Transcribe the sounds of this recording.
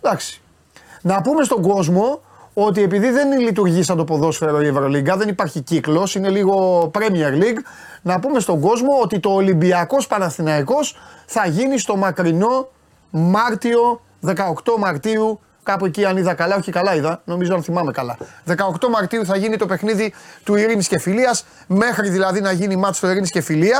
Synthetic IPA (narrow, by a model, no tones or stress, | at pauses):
ðɐksi̥ | nɐpume̞st̪o̞ŋɡo̞zmo̞ | ot̪̬ie̞piðiðe̞nlit̪uɾʝisɐnd̪o̞po̞ðo̞sfe̞ɾo̞ievɾo̞liɡɐðe̞nipɐɾçiciklo̞sine̞liɣo̞pɾemieɾliɡ | nɐpume̞st̪o̞ɡo̞zmo̞ot̪it̪o̞ːlimbiɐko̞spɐnɐsθinɐiko̞sθɐʝinist̪o̞mɐkɾino̞ | mɐɾt̪io̞ | ðe̞kɐokt̪o̞mɐɾt̪iu | kɐpueciɐniðɐkɐlɐo̞çikɐlɐiðɐno̞mizo̞ɐnθimɐme̞kɐlɐðe̞kɐo̞kt̪o̞mɐɾt̪iuθɐʝinit̪o̞pe̞xniðit̪uiɾinisce̞filiɐs | me̞xɾiðilɐðinɐʝinimɐt̪st̪oiɾiniscefiliɐ